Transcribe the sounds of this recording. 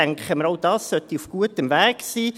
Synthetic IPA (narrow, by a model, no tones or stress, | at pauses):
æŋkχəməɾowd̥ɑːssœt̪iufɡ̥uətəmvæːksiː